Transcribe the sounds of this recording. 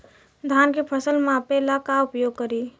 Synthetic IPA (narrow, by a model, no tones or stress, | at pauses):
d̪ʱaːnkepʰəsəlmãpelakaʊpjoːɡ̚kəɾiː